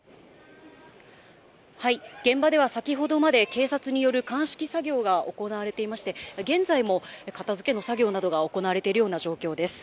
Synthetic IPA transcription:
haiɡ̥ẽ̞mbad̪e̞βasakʲiɦo̞d̪o̞mad̪e̞ke̞ːsat͡sɨɲ̟ijo̞ɾɯ̟kãɰ̃ɕi̥kʲisaɡʲo̞ːɡao̞ko̞naβaɾe̞t̪e̞imaɕi̥t̪e̞ɡẽ̞nzaimo̞ekat̪azɨke̞no̞saɡʲo̞ːnad̪o̞ɡaoko̞naβaɾet̪e̞iɾɯ̟jo̞ːnaʑo̞ːkʲo̞ːd̪e̞sɨ̥

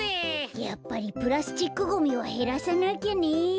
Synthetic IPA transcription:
ejapːaɾipɯɾasɨ̥t̪ikːɯɡomiβaɦeɾasanakʲani

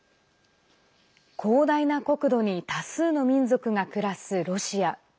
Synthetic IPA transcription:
kʰo̞ːd̪ainako̞kɯ̟d̪o̞ɲ̟it̪asɨːno̞mʲĩnzo̞kɯ̟ŋakɯ̟ɾasɨɾo̞ɕia

